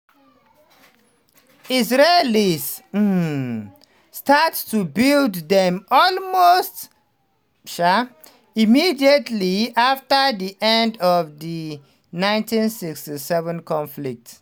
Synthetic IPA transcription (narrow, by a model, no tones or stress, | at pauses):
isɹelis | stattubilddɛ̃mɔlmost | ʃa | imidiətʰliaftəðiʔɛ̃ndɔvði | nãɪ̃ntĩnsikstisɛvə̃nkʰɔ̃nflik̚t